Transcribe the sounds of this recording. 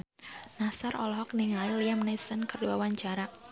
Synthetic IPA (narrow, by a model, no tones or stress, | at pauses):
nasarʔɔ̰lɔɦɔk̚niŋailiamnisənkərduwawaɲt͡ʃaɾa